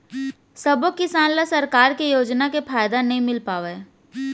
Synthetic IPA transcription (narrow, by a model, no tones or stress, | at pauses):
sɐbokɪsaːnlasɐɾkaːɾkejoːd͡ʒnakefʰaːjd̪anɐɦĩmɪlpaːʋeː